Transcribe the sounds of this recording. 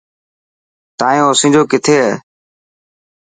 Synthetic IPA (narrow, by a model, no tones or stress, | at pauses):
t̪aːẽːosĩːd͡ʒoːkɪt̪ʰeːɦɛː